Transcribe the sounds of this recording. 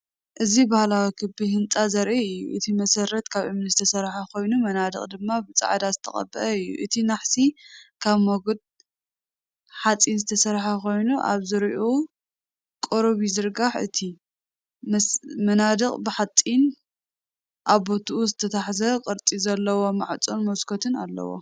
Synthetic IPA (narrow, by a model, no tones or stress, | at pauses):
ʔɨzibahlawikʰɨbihɨnt͡sʼazɐɾʔiɨjːṵʔɨt̪ʰimɐsɐɾɐt̪kʰaβʔɨmnzɨt̪ʰɐsɐɾħakʰo̞jnumɐnad̪ɨ̰χʼd̪ɨmːabɨt͡sʼa̰ʕd̪azɨt̪ʰɐ̰χʼɐ̰bːɐʔɐɨjːṵʔɨt̪ʰinaħsikʰaβmoɡod̪̚ | ħat͡sʼinzɨt̪ʰɐsɐɾħako̞jnuʔa̰βzɨɾiʔo | kʼoɾβizɨɾɡaħʔɨ̰t̪ʰi | mmɐnad̪ɨqʼbɨħat̪ʼin | ʔaβbot̪ʰuʔuzɨt̪ʰɐt̪ʰaħzɐqʼɨɾt͡s̪ʼizɐlːɐwo̞maʕt͡sʼonmɐskʰot̪ʰɨna̰lːɐ̰wo̰